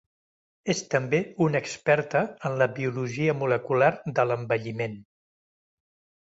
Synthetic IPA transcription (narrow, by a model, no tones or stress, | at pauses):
est̪əmbeunəkspɛɾt̪əənləβiuluʒiəmuləkulaɾd̪ələmbəʎimen